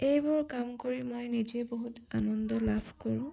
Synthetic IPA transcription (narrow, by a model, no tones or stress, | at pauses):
ejbɔɹkamkoɹimojnid͡ʒɛboɦuta̰nɔndɔlabʰʱkɔɹʊ̃